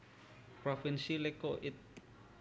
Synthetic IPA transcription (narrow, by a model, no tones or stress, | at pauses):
pɾofinsilekoʔit̪̚